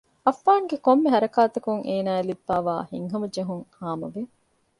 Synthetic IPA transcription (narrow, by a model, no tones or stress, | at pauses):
ɐfːaːŋɡekomːeɦɐɾɐkaːt̪ɐkuŋʔeːnaːelibːaːʋa̰ːhḭŋɦɐmɐd͡ʒɐɦuŋhaːmɐʋe